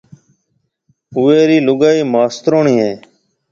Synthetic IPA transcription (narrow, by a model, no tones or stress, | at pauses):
ʊʋeːɾiːlʊɡaːiːmaːst̪ɾoːɳiːɦẽː